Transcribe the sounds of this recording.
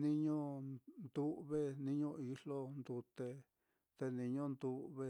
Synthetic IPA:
nĩ˧ɲõ˦nd̪u˦ʔβe˦˧nĩ˦ɲõ˧i˧lo˦nd̪u˧t̪e˧ | t̪e˧nĩ˧ɲõ˦nd̪u˧βe˧

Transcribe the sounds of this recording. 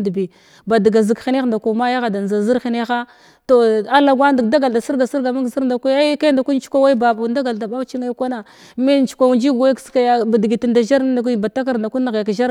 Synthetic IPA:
di˨bi˨ | ba˨di˨ɡa˨zi˨kxi˦ne˦˨nda˨ku˨ma˦ja˦ɣa˨da˨n˨za˨zi˦ɾxi˨ne˦xa˦ | to˨a˦la˨ɡwa˦ndda˦ɡa˨lda˨si˦ɾɡa˨si˦ɾɡa˨ma˦ɡzi˦ɾnda˨kʷu˦a˦ka˦da˨ku˦n˦t͡ʃu̥˦a˦wa˦i˦ba˨bu˨nda˦ɡa˨lda˨ba˦t͡ʃi˦ŋa˦kʷa˦na˨ | me˦n˦t͡ʃu̥˨kʷa˨u˨nd͡ʒi˦ɡa˦kska˨ja˨ba˨di˨ɡi˨ti˨nda˨ʒa˦ɾnda˨kʷi˦ba˨ta˦k̬a˦ɾda˨ku˦na˨ɣja˨kʒa˦ɾ

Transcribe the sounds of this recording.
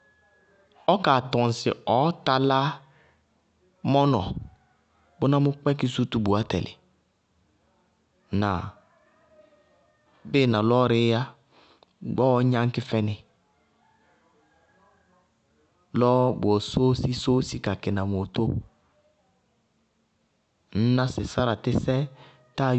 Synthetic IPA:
ɔ˦ka˨tɔ˨n˨sɪ̰˨ɔ˨˦ta˦la˦ | mɔ˦nɔ̰˨ | bʊ˦nã˦mʊ˦k͡pɛ˦kɪ˦su˦tu˦bu˨a˦tɛ̰˨lɪ̰˨ | na˨ | be˦˨nã˨lɔ˦ɾɪ˦a˦ | ɡ͡bɔ˦ɲã˦ŋ̩˦kɪ˦fɛ˦nɪ˨ | lɔ˦bʊ˨ɔ˨so˦si˦so˦si˦ka˨kɪ˨na˨m˨o˨to˦ | n̩˦nã˦sɪ˨sa˦ɾa˨tɪ˦sɛ˦ | ta˦˨

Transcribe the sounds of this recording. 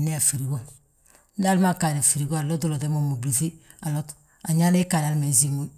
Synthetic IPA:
ne˦a˨fi˨ɾi˨ɡo˦ | da˦lma˦˨ka˨ɾa˨fi˨ɾi˨ɡo˦a˨lo˦tu˦lo˨te˦mo˨mo˨bli˨fi˦ | a˨lo˦t | a˨ɲa˦le˦ka˨ɾa˨lme˨zi˦ŋu˦

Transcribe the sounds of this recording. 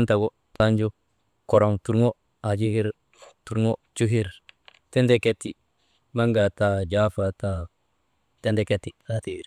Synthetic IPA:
a˦nta˨ɡo˦ | ta˦nd͡ʒo˦ | ko˨ɾo˨ŋtu˦ɾŋo˦ | a˨d͡ʒi˦hi˦ɾ | tu˦ɾŋo˦t͡ʃu˦ki˦ɾ | te˦nde˨ke˦ti˨ | ma˦ŋɡa˨ta˨d͡ʒa˦fa˨ta˨ | te˦nde˨ke˦tːi˨a˦te˨ɾ

